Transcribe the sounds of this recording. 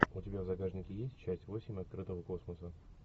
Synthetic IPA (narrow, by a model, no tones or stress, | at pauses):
ʊtʲɪbʲavzɐɡaʐnʲɪkʲɪjesʲtʲt͡ɕːæsʲtʲvo̞sʲɪmʲɐt̪̚kɾɨt̪əvəko̞sməsə